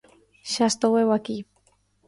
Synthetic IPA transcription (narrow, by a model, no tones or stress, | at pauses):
ʃast̪owewaki